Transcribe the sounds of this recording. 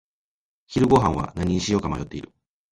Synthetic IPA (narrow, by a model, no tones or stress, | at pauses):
çiɾɯ̟ɡo̞ɦãɰ̃βa̰naɲ̟iɲɕijo̞ːkamajo̞t̪ːe̞iɾɯ̟